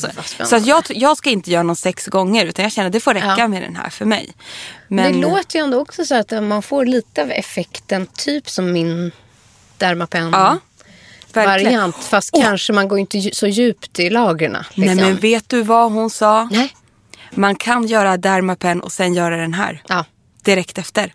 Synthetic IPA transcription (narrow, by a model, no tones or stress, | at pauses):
sɔsɛ̰sɔat̪jɑːɡjɑːɡskaɪnt̪əjœːɾanɔnsɛksɡɔŋːəɾʉ̟ːt̪anjɑɡɕɛnːəd̪ɛfoːɾɛkːamɛd̪ɛ̰nɦæ̰ːɾfœɾmɛ̰jmɛdnɛloːt̪əjɛnd̪oːɔksɔsɔat̪manfoːɾɭiːt̪əɑvɛ̰fɛkt̪ənt̪ʰyːpsɔmːɪn | d̪̥æɾmapʰɛnɑː | væɾkaɾlɪɪant̪fast̪̚kʰanʂəmanɡoːɾɪnt̪əsɔjʉ̟ːpt̪ɪlɑːɡɾaɳa̰nɪɛmɛnveːt̪̚d̪ɵvaɦʊnsɑː | mankʰanjœːɾad̪æɾmapʰɛnːʔɔ̰sɛnjœːɾad̪ɛnɦæ̰ːɾɑː | d̪̥ɪɾɛkt̪ɛft̪əɾ